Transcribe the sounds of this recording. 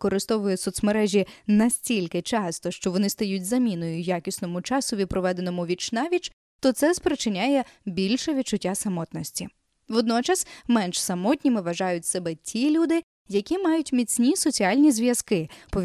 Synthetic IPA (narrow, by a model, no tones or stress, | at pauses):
kɔɾɪst̪ɔʋʊjʊsɔt̪smeɾɛʒʲinɐsʲtʲilʲkɪt͡ʃɑst̪ɔʃt͡ʃɔʋɔnɪst̪ɐjut̚ʲzɐmʲinɔjʊjakʲisnɔmʊt͡ʃɑsʊʋʲid̪̚pɾɔʋɛd̪enɔmʊʋʲit͡ʃnɑʋʲit͡ʃ | t̪ɔt̪sɛspɾet͡ʃɪnʲajɛbʲilʲʃɛʋʲid̪̚t͡ʃʊtʲːasɐmɔt̪nɔsʲtʲi | ʋɔd̪nɔt͡ʃɐsmɛnʃsɐmɔtʲnʲimɪʋɐʒɑjʊtʲsɛbɛtʲʰilʲud̪ɪ | jɐkʲimɑjʊtʲmʲit͡sʲnʲisɔt͡sʲiɑlʲnʲizʋjɐskɪpɔʋʲ